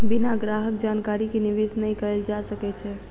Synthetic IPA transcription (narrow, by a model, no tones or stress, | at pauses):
binaɡɾaɦək̚d͡ʒankaɾikeniʋesnəjkəɾeld͡ʒasəkɛt͡ʃʰɛ